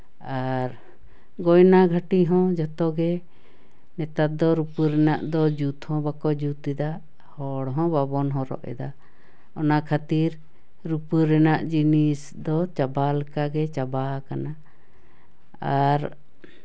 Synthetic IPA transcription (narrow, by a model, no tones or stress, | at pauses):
aɾ | ɡɔjnaɡʱaʈiɦɔ̃d͡ʒɔt̪ɔɡɛ | nɛt̪at̪̚d̪ɔɾupəɾɛnaʔd̪ɔd͡ʒut̪hɔ̃bakɔd͡ʒut̪ɛd̪a | hɔɽɦɔ̃babɔnɦɔ̃ɾɔ̰ʔɛ̰d̪a | ɔnakʰat̪iɾ | ɾupəɾɛnaʔd͡ʒinis | d̪ɔt͡ʃabalakaɡɛt͡ʃabakana | aɾ